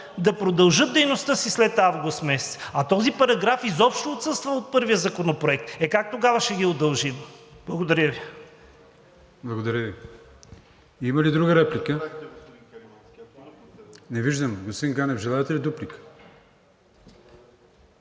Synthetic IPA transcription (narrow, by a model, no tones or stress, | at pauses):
d̪ɐpɾod̪ɐlˠʒɤt̪̚d̪ɛjnost̪əsislɛt̪avɡʊst̪mɛsɛ̥t̪sɐt̪ɔzipɐɾɐɡɾafizɔpʃt̪oːt̪sɤst̪vəot̪̚pɤɾvijəzɐkonopɾoɛk̚t̪ɛkak̚t̪oɡavɐʃɛɡʲiod̪ɐlˠʒimblˠɐɡod̪ɐɾʲəvi | blˠɐɡod̪ɐɾʲjəvi | iməlid̪ɾuɡəɾɛplikə | nɛviʒd̪əmɡosiŋɡanɛvʒɛlˠaɛt̪ɛlid̪uplikə̥